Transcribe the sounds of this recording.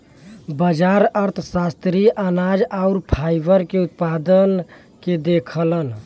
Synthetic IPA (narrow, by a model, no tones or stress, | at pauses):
bəd͡ʒaɾəɾt̪ʰsast̪ɾiʔanad͡ʒaʊɾpʰajbəɾkeut̪̚pad̪ən | ked̪ekʰələn